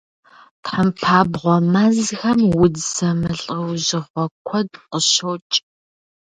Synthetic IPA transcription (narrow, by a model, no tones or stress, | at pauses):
tħəmpʰaːbʁʷɔmazxɐmwʊdsɐmɨɬʼəwʑɪχʷɔkʷʰɔdqəʃoːt͡ʃʼ